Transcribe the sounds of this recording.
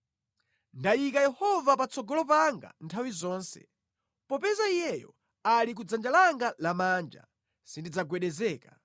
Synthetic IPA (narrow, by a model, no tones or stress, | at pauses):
ndajikajɛhɔvapat͡sɔɡɔlɔpaŋɡa̰ntʰawizɔːnsɛ̰ | pɔpɛzaijɛjɔ̰ | alik̬ud͡zand͡ʒalaŋɡalamaːnd͡ʒa̰ | sindid͡zaɡwɛɗɛzɛːka